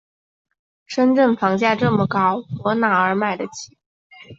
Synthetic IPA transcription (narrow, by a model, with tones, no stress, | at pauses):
ʂə˥nʈ͡ʂə˥˩nfɑ˧˥ŋt͡ɕja˥˧ʈ͡ʂɤ˥˩mə˩kɑ˥ʊpwɔ˧˥na˧˥ə˞˧˥ma˥˩ɪd̪ə˩t͡ɕʰi˧˩